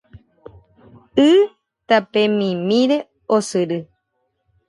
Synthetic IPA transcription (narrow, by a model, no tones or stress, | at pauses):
ɨ | t̪apẽmĩmĩɾe̞ | osɨɾɨ